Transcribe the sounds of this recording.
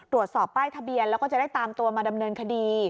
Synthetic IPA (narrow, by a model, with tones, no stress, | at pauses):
t̪ɾu˨˩ət̪̚sɔː˨˩pːaː˥˩jt̪ʰa˧bi˧ənlɛ˦˥wkɔː˥˩t͡ɕa˨˩da˥˩jt̪aː˧mt̪u˧ɐmaː˧da˧mnɤː˧nkʰa˧diː˧